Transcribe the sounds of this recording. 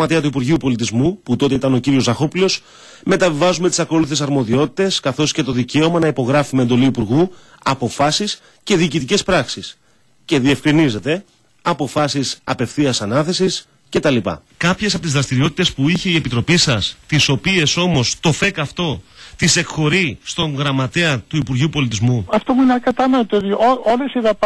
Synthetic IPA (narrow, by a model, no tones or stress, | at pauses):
ɐt̪iɐt̪uipuɾʝiupo̞lit̪izmuput̪o̞t̪e̞it̪ɐno̞ciɾio̞zɐxo̞plio̞s | me̞t̪ɐvivɐzume̞t̪i̥sɐko̞luθesɐɾmo̞ðio̞t̪i̥t̪e̞skɐθo̞sce̞t̪o̞ðice̞o̞mɐnɐipo̞ɣɾɐfumend̪o̞liːpuɾɣu | ɐpo̞fɐsis | ce̞ðiːcit̪ice̞spɾɐksis | ce̞ðie̞fkɾinize̞t̪e̞ | ɐpo̞fɐsisɐpe̞fθiɐsɐnɐθe̞sis | ce̞t̪ɐlipɐ̰ | kɐpçesɐpot̪izðɾɐst̪iɾio̞t̪it̪e̞spuiçe̞ie̞pit̪ɾo̞pisɐst̪iso̞pie̞so̞mo̞st̪o̞fe̞kɐft̪o̞t̪ise̞kxo̞ɾist̪o̞ŋɣɾɐmɐt̪e̞ɐt̪uipuɾʝiupo̞lit̪izmuɐft̪omuinɐkɐt̪ɐnot̪ooðioolesiðɐp